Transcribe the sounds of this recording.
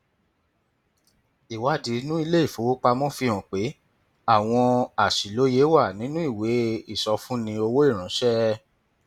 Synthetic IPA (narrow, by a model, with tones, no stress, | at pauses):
i˨wa˨˦˨di˨˦nũ˦i˧le˦i˦˨fo˨˦wo˦k͡pa˧mɔ̃˦fĩ˧ɔ̃˨k͡pe˨˦ | a˦˨w̃ɔ̃˧a˨ʃi˨lo˨˦je˨˦wa˦˨nĩ˨˦nũ˦i˦˨we˨˦i˦˨sɔ˧fũ˦nĩ˧o˧wo˦i˦˨ɾ̃ã˨˦ʃɛ˦